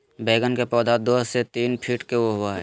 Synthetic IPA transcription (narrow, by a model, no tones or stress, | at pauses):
beːɡənkepɔːd̪aːd̪oset̪iːnpʰiːʈkeoɦʊaɦɛː